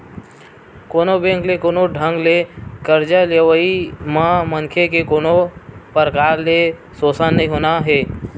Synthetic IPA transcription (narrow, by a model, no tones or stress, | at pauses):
koːnobẽːŋklekoːnoɖʱə̃ŋɡlekəɾd͡ʒaleʋəimãməŋkʰekekoːnopəɾəkaːɾle | soːsənːəɦĩɦoːnaɦɛː